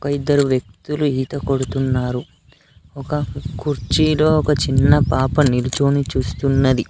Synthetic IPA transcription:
ɔkɐid̪ːɐɾuʋjɐk̚t̪uluiːt̪ɐko̞ɽut̪unːaːɾu | ɔkɐkuɾt͡ʃilo̞ːɔkɐt͡ʃinːɐpaːpɐnilut͡ʃoːnit͡ʃuːst̪unːɐd̪i

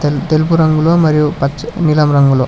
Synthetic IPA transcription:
t̪elp̬uɾɐŋɡuloːmɐɾijupɐnilɐmɾɐŋɡuloː

